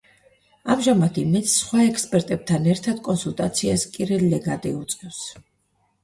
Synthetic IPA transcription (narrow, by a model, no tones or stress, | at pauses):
amʒamad̪ʰimɛt̪ssχwaɛkʰspʼɛɾt̪ʼɛb̥̚t̪ʰanɛɾt̪ʰad̪̥kʼɔnsulˠt̪ʼat̪sʰiaspʼiɾɛlːɛɡad̪ʼḭut̪sʼɛfs